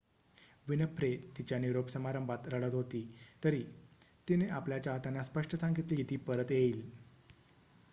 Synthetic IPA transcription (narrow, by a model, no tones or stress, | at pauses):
ʋinəpʰɾet̪it͡ɕjaniɾopsəmaɾəmbʱat̪ɾəɭət̪ɦot̪iːt̪əɾiːt̪ineʔapljat͡ɕjaɦət̪anːaspəʂʈəsãŋɡit̪lit̪iːpəɾət̪jeiːl